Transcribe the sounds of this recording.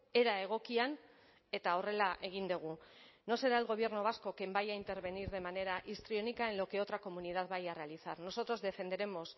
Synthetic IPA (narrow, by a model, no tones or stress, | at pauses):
e̞ɾae̞ɣ̞o̞kian | e̞t̪ao̞re̞laʔe̞ɣ̞ind̪uɣ̞uno̞se̞ɾaelɣo̞β̞je̞ɾnoβasko̞ke̞mbajaint̪e̞ɾβe̞niɾðe̞mane̞ɾaʔist̪ɾio̞nikaenlo̞keo̞t̪ɾako̞munið̞aðβajere̞aliθaɾno̞so̞t̪ɾo̞zðe̞fe̞nd̪e̞ɾe̞mo̞s